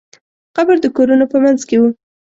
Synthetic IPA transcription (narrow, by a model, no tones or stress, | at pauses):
xabəɾd̪əkoɾunopəmanzkewu